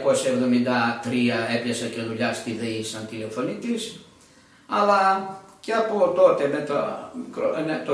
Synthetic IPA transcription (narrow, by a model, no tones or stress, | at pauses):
ko̞sɐevðo̞mind̪ɐt̪ɾiɐe̞pʎɐsɐceðuʎɐst̪iðeisɐnt̪ile̞fo̞nit̪is | ɐlɐceɐpot̪o̞t̪e̞met̪ɐmikɾo̰net̪o